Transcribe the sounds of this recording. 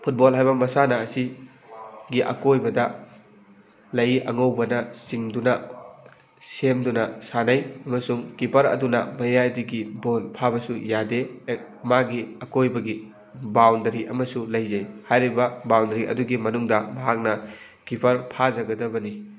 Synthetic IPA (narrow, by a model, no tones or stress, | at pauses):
pʰut̚bolɦajbɐmɐsanɐːsi | ɡiʔɐ̰kojbɐdɐ | lɐjʔɐŋɐwbɐnɐsiŋdunɐ | semdunɐsanajɐmɐsuŋkipʰɐɾɐ̰dunɐ̰bɐjadiɡibolpʰabɐsujadeːk̚ | maɡiɐkojbɐɡi | bawndɐɾiʔɐmɐsulɐjzɐjhajɾibɐbawndɐɾiʔɐ̰duɡimɐnuŋdɐmɐɦak̚nɐ | kipʰɐɾpʰazɐɡɐdɐbɐni